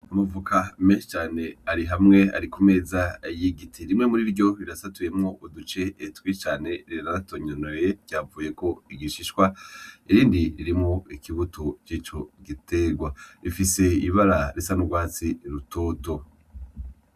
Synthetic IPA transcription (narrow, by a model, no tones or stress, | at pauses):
amuvukʰameʃt͡ʃaːne̞aɾiɦamŋe̞a̰ɾikume̞ːzajiɡitʰiɾimŋe̞muɾiɾɟo̞βiɾasatuje̞mŋo̞ʔudut͡ʃe̞ːtwit͡ʃaːne̞ɾinaɾatoɲonojeɡ̥jaːvuːje̞ko̞iɡiʃiʃwaiɾiːndiɾiɾimŋoikiβutut͡ʃiːt͡ʃo̞ɡitʰe̞ɡwaifise̞iβaɾaɾisanuɡwaːt͡siɾutʰo̞ːto̞